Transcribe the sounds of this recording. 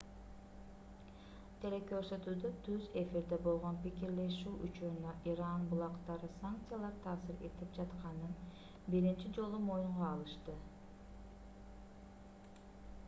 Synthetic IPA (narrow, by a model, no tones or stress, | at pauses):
t̪ʰe̞le̞kø̞ɾsø̞t̪yːd̪øt̪ʰyze̞fiɾd̪e̞bo̞lˠʁo̞npikiɾle̞ʃyːʔy̰t͡ʃuɾunøʔiɾɑnbulˠɑqt̪ɑɾɯsaŋk̚t̪sɨjalˠɑɾt̪ʰɑːsɯɾe̞̰t̪ip̚d͡ʒɑt̪qɑnɯn | biɾint͡ʃid͡ʒo̞lˠumo̞juɴʁɑːlˠɯʃt̪ɯ